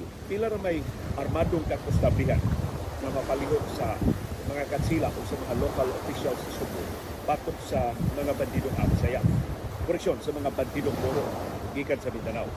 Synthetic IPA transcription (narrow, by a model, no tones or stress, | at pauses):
pilaɾamaj | ʔaɾmad̪oŋkakʊst̪abɪɦa̰nŋɐmapalɪɦoksɐmɐŋakasila̰ʔoɡsɐmɐŋalokalo̰fiʃalsɪsʊɡʊ | bat̪ok̚samɐŋaband̪id̪oŋʔa̰bsajakʊɾɛksjonsɐmɐŋaband̪id̪oŋt̪oɾoʔɡiːkansɐmɪnd̪anaw